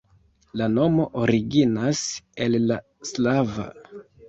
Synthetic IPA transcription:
lano̞mo̞ʔoɾiɡinase̞lːa | slava̰

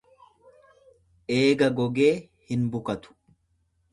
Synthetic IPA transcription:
ʔe̞ːɡɐɡɔɡe̞ː | hɪnbʊkɐt̪ʊ̥

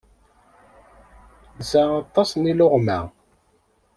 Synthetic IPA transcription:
zæɑt̪ˤːɑsˤniloʁmæ̰

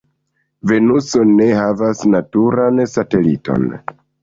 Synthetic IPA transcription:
ve̞nuso̞ne̞havasnatuɾansate̞lḭto̞̰n

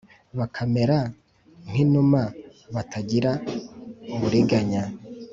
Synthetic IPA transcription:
βakʰameɾa | ŋ̥hinumaβatʰaɟiɾa | βuɾiɡaɲa

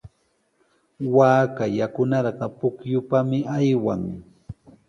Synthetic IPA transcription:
waːkajakʊnɑɾɢɑpʊkjʊpamɪajwaŋ

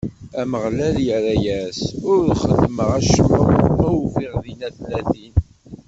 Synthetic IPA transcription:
æməʁlæljəɾæjæsʊɾðχəd̪məʁæʃməʁæwfiʁðinæθlæθin

